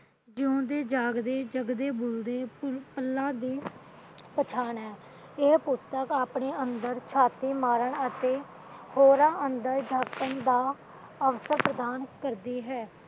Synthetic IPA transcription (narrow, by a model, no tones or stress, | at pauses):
d͡ʒɪõːd̪eːd͡ʒaːɡd̪eːd͡ʒəɡd̪eːbʊld̪eːpəlːãːd̪iː | pət͡ʃʰaːnɦɛː | ɪpʊst̪əkaːpɳeːənd̪əɾt͡ʃʰaːt̪iːmaːɾəɳət̪eː | hoːɾãːʔənd̪əɾd͡ʒʱaːkənd̪aː | əʋsəɾpɾəd̪aːnkəɾd̪iːɦɛː